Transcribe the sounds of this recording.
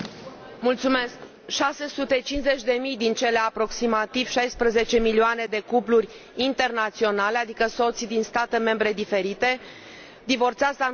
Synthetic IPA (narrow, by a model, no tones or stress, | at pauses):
mult̪sume̞sk | ʃase̞sut̪e̞t͡ʃinze̞t͡ʃʲd̪e̞mijd̪int͡ʃe̞le̞apɾo̞ksimat̪iv̥ʃajspɾeze̞t͡ʃe̞milioane̞d̪e̞kuplurʲ | int̪e̞rnat̪sio̞nale̞ad̪ikəso̞t̪sʲd̪inst̪at̪e̞me̞mbɾe̞d̪ife̞ɾit̪e̞ | d̪ivo̞rt̪saza